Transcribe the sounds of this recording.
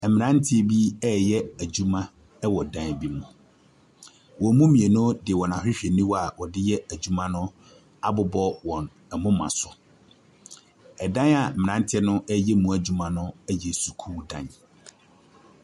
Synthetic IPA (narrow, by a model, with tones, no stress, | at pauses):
ɛ˨mɪ̃˨nã˦n˦tʰɪ˦e˨bi˦ɛ˦˨jɛ˦æ˨d͡ʑu˦mã˦ | ɛ˦wɔ˨dã˦n˨bi˦mʊ̃˨ | wɔ̃˨˦mũ˦mĩ˨e˨nʊ̃˦dɪ˨wɔ˨nã˨hᶣɪ˦ɕᶣe˨nĩ˦wa˨wɔ˨dɪ˦jɛ˦æ˨d͡ʑu˦mã˦nʊ̃˦ | a˦bʊ˨bɔ˦wɔ̃˨n | ɛ˨mʊ̃˦mã̰˨sʊ˨ | ɛ˨dã˦na˨m̩˨mɪ̃˨ã˨˦n˦tʰɪ˦ɛ˦nʊ̃˦ʔɛ˦jɛ˦mũ˨æ˨d͡ʑu˨mã˨nʊ̃˦ɛ˦jɛ˨su̥˨kʰuː˦dã̰˦˨n